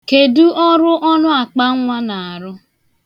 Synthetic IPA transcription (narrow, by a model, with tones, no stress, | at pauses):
ke˨du˦ʔɔ˦ɾʊ˦ʔɔ˦nʊ˦a˨k͡pa˦ŋ˦ŋʷa˦na˨a˨ɾʊ˦